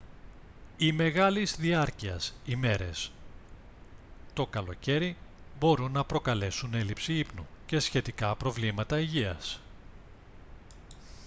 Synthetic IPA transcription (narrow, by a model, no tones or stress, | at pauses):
ime̞ɣɐlizðiɐɾciɐ̰sime̞ɾe̞̰s | t̪o̞kɐlo̞̰ce̞ɾibo̞ɾunːɐpɾo̞kɐle̞sune̞lipsiipnuce̞sçe̞t̪ikɐpɾo̞vlimɐt̪ɐiʝiɐ̰s